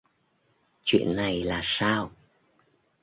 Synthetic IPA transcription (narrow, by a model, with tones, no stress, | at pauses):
t͡ɕwḭ˧˨ənːa˨˩jlaː˨˩saː˧w